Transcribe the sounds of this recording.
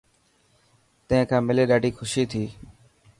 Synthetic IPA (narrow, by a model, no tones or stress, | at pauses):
t̪ə̃ɦɪ̃kʰãːmɪleːɗaːɖʱiːxʊʃiːt̪ʰiː